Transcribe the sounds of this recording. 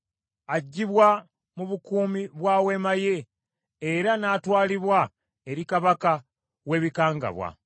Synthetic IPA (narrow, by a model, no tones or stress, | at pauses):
aɟːiβwa | muβukuːmiβwaːwe̞maje̞ː | ɾanaːtwaːliβwa | e̞ɾikaβaka | we̞ːβikaːŋɡa̰βwa̰